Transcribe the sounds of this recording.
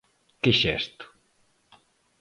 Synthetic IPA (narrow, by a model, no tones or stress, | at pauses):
kɪʃɛst̪ʊ̥